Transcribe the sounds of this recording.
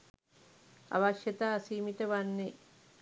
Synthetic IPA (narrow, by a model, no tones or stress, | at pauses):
a̰ʋaʃjɐt̪aːsiːmiʈəʋanːe